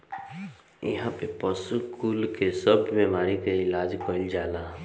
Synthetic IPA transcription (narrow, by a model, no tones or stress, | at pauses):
ɪ̰ɦãpepəsukuːlkesəbʱmẽmaːɾikəɪlaːd͡ʒkɔɪld͡ʒaːla